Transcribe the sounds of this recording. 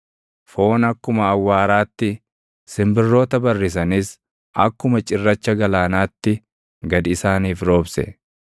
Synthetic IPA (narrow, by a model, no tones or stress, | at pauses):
fo̞ːnɐkːʊmɐːwːaːɾaːt̪ːɪ | sɪmbɪrːo̞ːt̪ɐbɐrːɪs̬ɐnɪs | ʔɐ̰kːʊmɐt͡ʃʼɪrːɐt͡ʃːɐɡɐlaːnaːt̪ːɪ | ɡɐd̪ɪɪsaːniːfɾo̞ːbsɛ̰